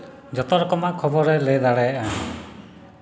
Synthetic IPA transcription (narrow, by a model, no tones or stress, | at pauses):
d͡ʒɔt̪ɔɾɔkɔmakʰɔbɔɾeled̪aɽeʔa